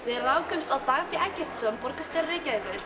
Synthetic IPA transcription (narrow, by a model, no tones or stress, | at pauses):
vɪðɾaːwkʏmst̪awt̪aːɣafiʔɛcːɪr̥t̪sœmpɔɾkast̪ɛɾɾɪːcakʏɾ̥